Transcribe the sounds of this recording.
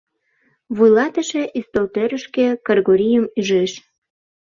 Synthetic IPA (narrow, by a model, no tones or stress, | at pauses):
βujlɑt̪əʃeʔist̪olt̪øɾəʃkĕkərɣoɾijəmyʒeʃ